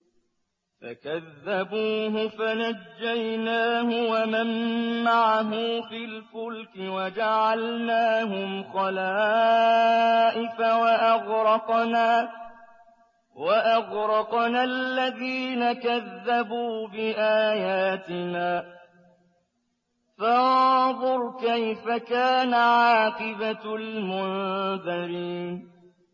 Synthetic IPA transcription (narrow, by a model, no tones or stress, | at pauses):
fa̰kaðːabuːɦʊfanad͡ʒːajnaːɦʊwamamːaʕaɦʊfɪlfʊlkɪwad͡ʒaʕalnaːɦʊmxɑlaː | ʔɪfawaʔaɣɾɑqnaː | waʔaɣɾɑqnalːaðiːnakaðːabuːbɪʔaːjaːt̪ɪnaː | faðˤʊɾkajfakaːnaʕɑːqɨbalmʊnðaɾiːn